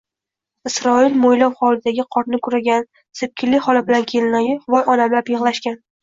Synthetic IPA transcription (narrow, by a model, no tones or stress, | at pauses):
ɪsɾɒɪlmojlɒwχɒlɪd̪aɡʲɪqʰɒɾnɪkʰʊɾaɡʲan | sɪp̚kʲʰɪlːɪχɒlabɪlankʲʰe̞lɪnajɪvɒjɒnamlapjɨʁlˠaʃkʲan